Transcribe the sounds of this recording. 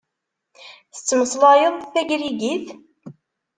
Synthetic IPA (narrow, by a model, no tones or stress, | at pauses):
θə̥t͡sːməsˤlɑjəðˤθæʝɾiɡiθ